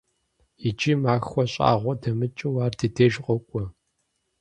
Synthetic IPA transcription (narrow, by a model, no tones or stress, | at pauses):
id͡ʒiːmaːxʷɔɕʼa̰ːʁʷɔdɐmɨt͡ʃʼɨwaːrdideːʒqʼɔkʷʼɔ